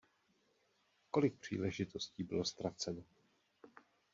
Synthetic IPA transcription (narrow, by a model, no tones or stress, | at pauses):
ko̞lɪk̚pr̝̥ḭːlɛʒɪt̪o̞sciːbɪlo̞st̪ɾat͡sɛno